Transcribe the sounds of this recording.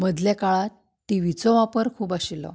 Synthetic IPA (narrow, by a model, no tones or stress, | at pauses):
məd̪lakaɭat̪ː | iʋit͡sɔʋapəɾkʰuːbaɕilɔ̰